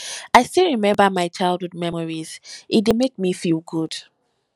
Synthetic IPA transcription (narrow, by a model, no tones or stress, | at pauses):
aɪstilɹimɛ̃mbəmaɪt͡ʃaɪlˠdud̚mɛmɔɹiz̥ʔit̚demek̚mifilˠɡud̥